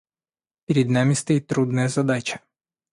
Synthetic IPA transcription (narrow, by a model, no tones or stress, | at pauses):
pʲɪɾʲɪd̪namʲɪst̪ɐjit̪ːɾud̪nɐjɐzɐd̪at͡ʃɐ̥